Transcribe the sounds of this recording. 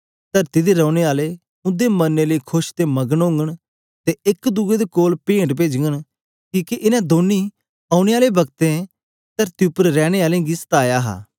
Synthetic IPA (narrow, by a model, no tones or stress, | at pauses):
t̪ɐɾt̪id̪eɾɐ̃ːʊɽ̃eaːle | ʊ̃nd̪emɐnːeləikʰʊʃt̪emɐɡəñõːŋɡəɽ̃ | t̪eɪkd̪ʊɡed̪ekoːlpẽːɳɖbeːd͡ʒɡəɽ̃ | kiːkeʔɪnɛ̃d̪oːnːi | aːuɽ̃eaːlebɐɡt̪ẽ | t̪ɐɾt̪iʊpːəɾɾɛːɽ̃eaːlẽːɡisə̥t̪aːjaɦa̰ː